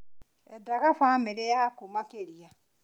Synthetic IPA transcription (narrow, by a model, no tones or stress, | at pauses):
ɛdaɡafãmeɾejakomakeɾija